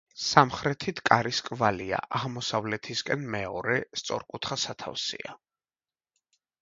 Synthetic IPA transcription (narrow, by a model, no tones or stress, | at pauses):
samχɾɛt̪ʰit̪ʰkʼaɾiskʼvalia̰ʔaʁmɔsavlɛt̪ʰiskʼɛnmɛɔɾɛst̪sʼɔ̰ɾkʼut̪ʰχasat̪ʰa̰fsḭa